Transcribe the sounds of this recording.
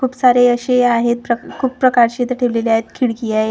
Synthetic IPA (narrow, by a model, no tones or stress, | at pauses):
kʰuːpsaɾeəɕeaɦet̪̚pɾəkʰuːpːɾəkaɾt͡ɕiet̪əɾʈʰeʋleleaɦet̪kʰiɽɡiae